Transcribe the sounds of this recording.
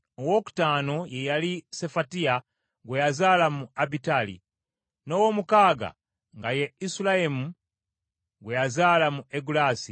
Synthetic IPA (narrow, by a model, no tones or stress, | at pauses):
owo̞ku̥taːno̞je̞jalise̞fatia | ɡwejazaːlamuabitalḭ | no̞womukaːɡa̰ | ŋɡaje̞isilaemu | ɡwe̞jazaːlamuʔeɡulaːsi